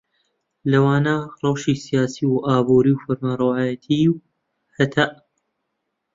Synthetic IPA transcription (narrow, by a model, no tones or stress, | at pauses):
lɐwaːnarˤɑwʃiːsijaːsiwʔaːbuːɾiwfɐɾmaɾˤɐwaːjɐt̪ʰiw | hɐt̪ʰaʔ